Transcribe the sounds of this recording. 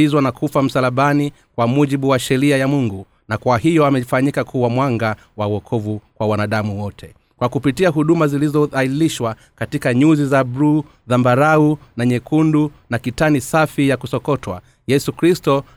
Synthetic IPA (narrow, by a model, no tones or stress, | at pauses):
izwanakʰufam̩salaɓani | kwamuʄiɓuwaʃɛɾiajamuŋɡu | nakwahijɔamɛfaɲikakʰuwamwaŋɡa | wauɔkʰɔvukwawanaɗamuwɔtʰɛ | kwakupitiaɦuɗumazilizɔailiʃwa | katikaɲuzizabɾu | ðambaɾaunaɲɛkundunakitanisafijakusɔkɔtwa̰ | jɛsukɾistɔ